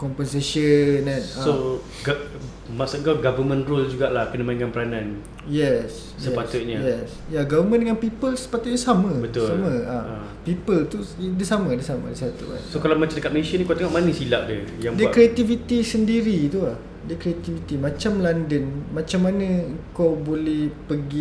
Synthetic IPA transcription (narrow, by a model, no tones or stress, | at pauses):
kɔmpənsesənanao | ɡa | maʔsut̪kaɡavəmə̃nɾold͡ʒuɡaʔlahkənəmãĩŋkanpəɾanãn | jɛs | səpat̪ʊt̪̚ɲajɛs | jaɡavəmə̃ndəŋanpipəlsə̥pat̪ʊt̪̚ɲasamə̃bədt̪usamə̃a | pipəlt̪udəsamə̃dəsamə̰dəsat̪ṵka̰nsokalamat͡ʃanəkat̪̚mesəniŋkot̪eŋɔʔmanĩsilaʔ̚dəjaŋdiəkɾiat̪ivit̪isəndiɾit̪ulah | dəkɾiat̪ivit̪imãt͡ʃamlandənmãt͡ʃamːanə̃əŋkawbolɛhpəɡi